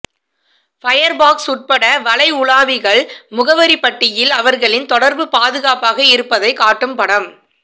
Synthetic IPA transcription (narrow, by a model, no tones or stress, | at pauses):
fɐjɐɾbaːksʊʈ̚pɐɽɐʋɐɭɐɪʊɭaːʋɪɣɐɭmʊɣɐʋɐɾipɐʈːɪjɪlɐʋɐɾɣɐɭɪnt̪ɔɽɐɾbɯpaːðɯɣaːpaːɣɐɪɾɯpːɐðɐɪkaːʈːɯmpɐɽɐm